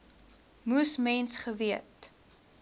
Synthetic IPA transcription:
musmɛnsχəviət

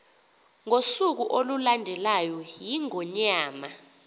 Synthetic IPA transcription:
ŋosuk̬uʔolulandʱɛlajɔjiŋɔɲaːma

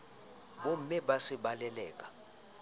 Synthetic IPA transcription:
ɓom̩mɛɓasiɓalɛlɛːk̬ʼḁ

